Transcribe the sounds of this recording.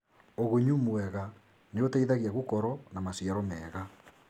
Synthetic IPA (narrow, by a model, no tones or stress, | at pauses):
oɣuɲumwɛɣa | neotaiðaɣiaɣukɔɾɔnamasiaɾɔmɛːɣa